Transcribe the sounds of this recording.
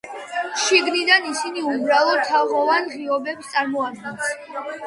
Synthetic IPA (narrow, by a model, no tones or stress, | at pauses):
ʃiɡnid̪anisiniubɾalˠɔt̪ʰːaʁɔvanʁiɔbɛpst̪sʼaɾmɔad̪̚ɡɛns